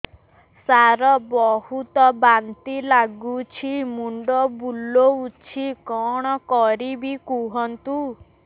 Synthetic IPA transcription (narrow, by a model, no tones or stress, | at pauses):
saɾɔbɔhut̪ɔbant̪ilaɡut͡ʃʰimuɳɖɔbulːout͡ʃʰikɔɽ̃ɔkɔɾibikuɦɔnt̪u